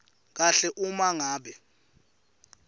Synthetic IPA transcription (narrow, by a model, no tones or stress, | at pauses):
k̬aɬɛʔumaŋaːɓɛ